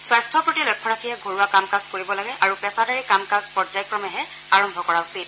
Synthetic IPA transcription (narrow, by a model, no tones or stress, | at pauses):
swajstʰɔpɹotilɔjkʰːɔɹakʰiɦɛɡʱoɹuwakamkazkoɹibɔlaɡɛʔaɹupɛsadaɹikamkazpɔzajkɹɔmɛɦɛ | aɹɔmbʱɔkɔɹaʊsit